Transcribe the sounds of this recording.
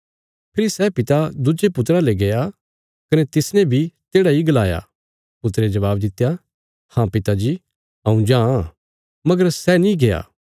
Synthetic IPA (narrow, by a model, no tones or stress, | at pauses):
pʰɪɾisɛpɪt̪ad̪ʊd͡ʒepʊt̪ɾaleɡeja | kɐnɛt̪ɪsnɛ̃bʱit̪eːɽaiɡɐlaːja̰ | pʊt̪ɾed͡ʒɐʋaːbd̪ɪt̪ːja | hãpɪt̪ad͡ʒi | ɐ̃ũd͡ʒãːa | mɐɡəɾsɛnĩɡeja̰ː